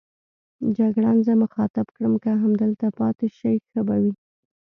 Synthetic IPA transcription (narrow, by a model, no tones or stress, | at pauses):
d͡ʒaɡɽanzəməxɑt̪ɪbkɽəmkaɦamd̪əlt̪apɑt̪eʃəjxəbawi